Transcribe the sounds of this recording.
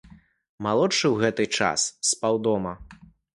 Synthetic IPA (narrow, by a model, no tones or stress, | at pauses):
malˠɔtt͡ʂɨwɣɛt̪ɨt͡ʂa̰sːpawd̪ɔmɐ